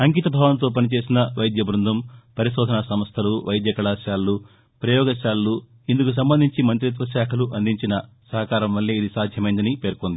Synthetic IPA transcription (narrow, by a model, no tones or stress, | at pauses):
ɐŋkiːt̪ɐbʱaːʋɐnt̪o̞ːp̬ɐnit͡ʃe̞ːsinɐʋɐjd̪ʱjɐbɾund̪ʱɐmpɐɾiʃɔːd̪ʱɐnɐsɐmɐst̪ʰɐluʋɐjd̪jɐkɐɭaːʃaːlːu | pɾɐjɔːɡɐʃaːlːu | ind̪ukus̬ɐmbɐnd̪ʱiɲt͡ʃimɐnt̪ɾit̪̬ʋɐʃaːkʰɐluʔɐnd̪iɲt͡ʃinɐ | sɐɦɐkaːɾɐmʋɐlːiid̪isaːd̪ʱjɐmɐjind̪ɐnipe̞ːɾkond̪i